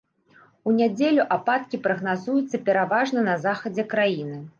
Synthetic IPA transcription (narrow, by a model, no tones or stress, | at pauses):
unʲad͡zʲelʲuʔapat̪̚kʲipɾɐɣn̪azujut̪sːɐpʲɛɾavaʐnɐnɐzaxɐd͡zʲɛkɾajinɨ